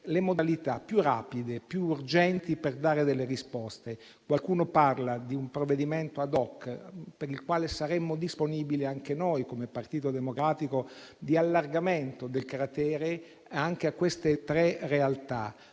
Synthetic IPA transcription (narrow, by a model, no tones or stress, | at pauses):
lemod̪alit̪apːjura̰ːpid̪epjuːrd͡ʒɛnt̪iperd̪aːɾed̪elːerispɔst̪e | kwalkuːnoparlad̪iumpɾovːed̪iment̪oad̪ɔkːpeɾilkwaːlesaɾemːod̪isponiːbiliaŋkenojkomepart̪iːt̪od̪emokɾaːt̪ikod̪ialːarɡament̪od̪elkɾat̪ɛːɾe | aŋk̟eakːwest̪et̪ɾɛrealt̪a̰